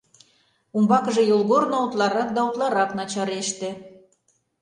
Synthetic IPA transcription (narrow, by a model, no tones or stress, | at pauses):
umbɑkə̆ʒĕjolˠɣornout̪lˠɑɾɑk̚d̪ɑut̪lˠɑɾɑknɑt͡ɕɑɾeʃt̪ĕ